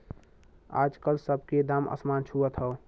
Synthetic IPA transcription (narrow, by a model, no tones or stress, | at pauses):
a̰d͡ʒkəlsəbʱked̪amə̰smant͡ʃʰuət̪ʰɦəw